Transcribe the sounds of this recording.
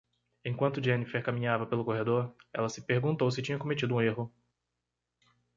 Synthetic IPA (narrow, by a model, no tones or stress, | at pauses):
ẽj̃kwɐ̃nt̪ʊd͡ʒẽnifeɾkamĩɲavɐpelʊkoɦed̪oɾɛlɐsɪ̥peɾɡũnt̪owsɪt͡ʃĩɲɐkõmet͡ʃid̪ʊũeɦʊ